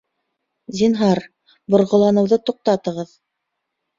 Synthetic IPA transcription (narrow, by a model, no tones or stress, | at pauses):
zinɦɑɾ | bŏɾʁŏlˠɑnɤ̆wðɤt̪uq̚t̪ɑt̪ɤ̆ʁɤð